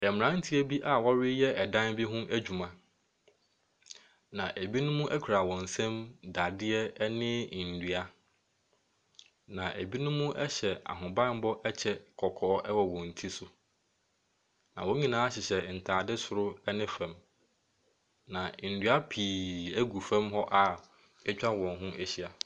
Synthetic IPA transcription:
ɛ˨m˨ã˨˦n̩˦tʰi˦æ˦bi˦ʔa˨wɔ˦ɾɪ˦jɛ˦ʔɛ˨dã˦nbi˦ɦʊ̃˦ʔæ˦d͡ʑᶣu˨mã˨ | nã˨ʔæ˨bi˦nʊ̃˦mũ˦ʔɛ˦kʰu˨ɾa˨wɔ̃˨n̩˨sɛ̃˦mda˨dɪ˦ɛ˦nɪ̃˦˨n̩˨dɥa˦ | nã˨ʔæ˨bi˦nʊ̃˦mũ˦ʔɛ˦ɕɛ˨a̰˨ɦʊ̃˨bã˦m˦bɔ˦ʔɛ˦t͡ɕʰɛ˦kʰɔ˨kʰɔː˨˦ʔɛ˦wɔ˨wɔ̃˨n̩˨tʰi˦sʊ˨ | nã˨wɔ̃˦ɲĩ˨nãː˨˦a˦ɕɪ˨ɕɛ˨n̩˨tʰaː˨dɪ˦sʊ˨ɾʊ˦ɛ˦nɪ̃˦fɛ̃˨m | nã˨n̩˨dɥa˦pʰiː˨æ˦ɡu˨fɛ̃˦mɦɔ˦ʔa˨ | ɛ˦t͡ɕᶣa˦wɔ̃˨nɦʊ̃˦ʔæ˨ɕi˦a˨

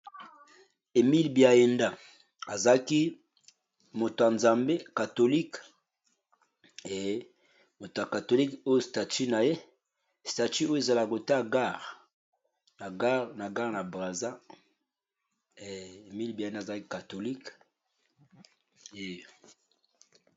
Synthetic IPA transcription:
e˨mi˦lbi˨a˨je˨nda˦˨ | a˨za˨˦ki˦ | mo˨to˨a˨nza˨mbe˦ka˨to˨li˦k | e˨˦ | mo˨to˨a˨ka˨to˨li˦ko˦jo˦sta˨ti˦na˨je˦ | sta˨ty˦o˦jo˦e˨za˨la˨ko˨ta˦˨ɡa˦˨ʁ | na˨ɡa˦ʁna˨ɡa˦ʁna˨bʁa˨za˦˨ | e˨mi˦lbi˨nda˦˨za˨a˦ki˦ka˨to˨li˦k | e˨

